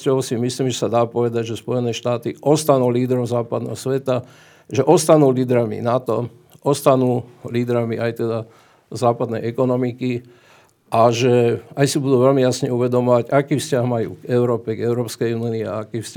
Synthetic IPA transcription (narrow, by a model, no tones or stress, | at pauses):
ɔʋsimisliːmʒɛsad̪aːpɔʋɛd̪aɟʒɛspɔjɛnɛːʃt̪aːt̪iʔɔst̪anuːliːd̪ɾɔmzaːpad̪nɛ̰ːɦɔsʋɛt̪a | ʒɛʔɔst̪anuːliːd̪ɾamḭnat̪ɔ | ʔɔst̪anuːliːd̪ɾamiʔajt̪ɛd̪a | zaːpad̪nɛjɛkɔnɔmiki | ʔaʒɛajsibud̪uːʋɛlmijasɲɛuʋɛd̪ɔmɔʋaɟakiːfscaɦmajṵːɡɛʊɾɔːpɛɡɛʊɾɔːpskɛjuniia̰akiːfsc